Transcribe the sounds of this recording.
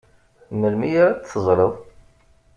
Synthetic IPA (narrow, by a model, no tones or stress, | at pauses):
məlmijaɾat͡sθəzˤɾəðˤ